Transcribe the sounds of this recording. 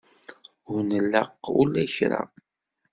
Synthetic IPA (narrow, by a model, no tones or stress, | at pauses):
ʊɾnəlːəqːulːæjçɾa̰